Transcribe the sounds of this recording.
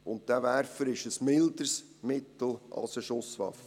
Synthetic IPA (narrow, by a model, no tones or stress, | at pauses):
ʊnt̚d̥ævæɾfəɾɪʃəsmɪld̪əɾs | mɪt̪l̩ɑ̰lsəʃʊsʋɑ̰fːə